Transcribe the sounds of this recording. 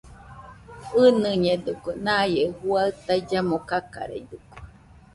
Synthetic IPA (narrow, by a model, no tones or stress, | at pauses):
ɨnɨɲed̪ukunãjehuaɯt̪aid͡ʒamokaka̰ɾḛid̪uku̥